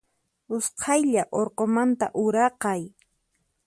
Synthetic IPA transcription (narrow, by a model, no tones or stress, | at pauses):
ʊsqʰɑjʎaʔoɾqomant̪a̰ʔʊɾɑqɑj